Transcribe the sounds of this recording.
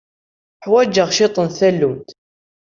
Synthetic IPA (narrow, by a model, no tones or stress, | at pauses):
ħwæd͡ʒːəʁʃɪt̪ˤənθælːumt̪